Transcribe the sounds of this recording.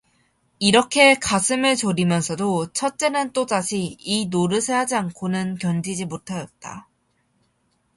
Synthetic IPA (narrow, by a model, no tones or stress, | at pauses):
iɾʌkʰe̞kasʰɯmɯɭt͡ɕoɾimjʌnsʰʌdot͡ɕʰʌt̚t͡ɕ͈e̞nɯnt͈odaɕʰiinoɾɯsʰeɦad͡ʑiankʰonɯnkjʌnd͡ʑid͡ʑimotʰajʌt̚t͈a̰